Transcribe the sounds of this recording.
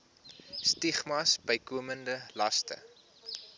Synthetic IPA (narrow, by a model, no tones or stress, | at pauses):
stiχmɐsbəjkuəməndəlɐstə̰